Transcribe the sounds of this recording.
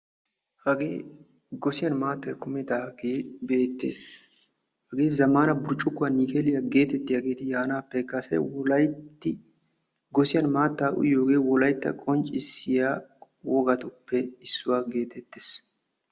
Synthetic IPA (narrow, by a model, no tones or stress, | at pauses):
hɐɡeː | ɡɔsɪjɐnmaːt̪ːɐjkʊmɛd̪aːɡeːbe̞ːt̪ːḛːs | hɐɡeːzɐmaːnɐbʊɾt͡ʃʼːʊkːʊaniːkeːlɪjaɡe̞ːt̪ɛt̪ːɪjaːɡe̞ːt̪ɪjaːnaːpːɛkːasɐ̰jwɔlɐjtt̪ːɪ | ɡɔsɪjɐnmaːt̪ːaːʔʊ̰jːoːɡe̞ːwɔlɐjt̪ːɐ̰kʼɔnt͡ʃʼːɪsɪjaː | wɔɡɐt̪ʊpːɛɪsːʊwaːɡe̞ːt̪ʰɛt̪ːeːs